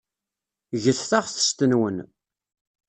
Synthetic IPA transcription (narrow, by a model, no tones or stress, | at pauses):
ʝəθθaʁθə̥st̪ənwən